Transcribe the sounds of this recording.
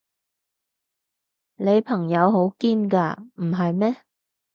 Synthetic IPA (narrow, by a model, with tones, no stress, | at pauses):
le˨˧jpʰɐ˨˩ŋjɐ˨˧wɦo˨˥wkiː˥nkaː˧m̩˨˩ɦɐ˨jmɛː˥